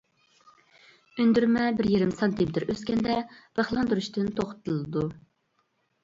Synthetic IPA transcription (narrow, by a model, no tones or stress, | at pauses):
ønd̪yɾmɛbɪɾjiɾɪmsɑnt̪ʰimɪt̪ʰɪɾøskʲɛnd̪ɛb̥əχlˠɑnd̪uɾuʃt̪ɨnt̪ʰoχt̪ʰɨlˠɨd̪u